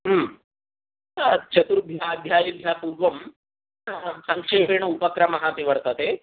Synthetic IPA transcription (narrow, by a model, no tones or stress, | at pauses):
ɦm | t͡ʃʰɐt̪uɾbʱjaːd̪ʱjaːjibʱjaːpuɾʋɐm | sɐ̃ŋkʂeːpeːɳɐupɐkɾɐmɐɦat̪iʋɐɾt̪ɐt̪eː